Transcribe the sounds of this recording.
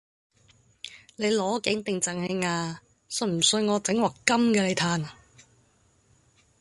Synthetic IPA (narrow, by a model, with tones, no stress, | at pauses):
le˨˧jlɔː˨˥kɪ˨˥ŋt̪ɪ˨ŋt͡sɐ˨ŋhe˨˧ŋaː˧ | sɵ˧˩nm̩˨˩sɵ˧ŋɔː˨˧t͡sɪ˨˥ŋwɐː˨kkːɐ˥mkɛː˧le˨˧jt̪ʰaː˧n